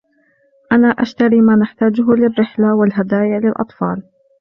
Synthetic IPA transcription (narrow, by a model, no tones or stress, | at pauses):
ʔanaːʔaʃt̪aɾiːmaːnaħt̪aːd͡ʒʊɦʊlɪrːɪħlawɪlɦad̪aːjalɪlʔɑ̰t̪ˤfɑ̰ːl